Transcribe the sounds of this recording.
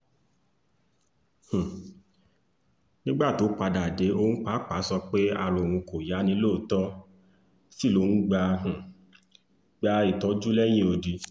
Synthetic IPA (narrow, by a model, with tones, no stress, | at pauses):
h̩˨ | nĩ˦ɡ͡ba˦˨to˨˦k͡pa˧da˨de˨˦o˧˦ñ̩˦k͡pa˨˦k͡pa˨˦sɔ˧k͡pe˦a˦˧˨ɾ̃o˨w̃ũ˧ko˨ja˨˦nĩ˧˦loː˦˨tɔ˦ | si˦˨lo˧˦n̩˦ɡ͡ba˧h̩˨ | ɡ͡ba˧i˦˨tɔ˨˦d͡ʒu˦lɛ˦j̃ĩ˦o˧di˧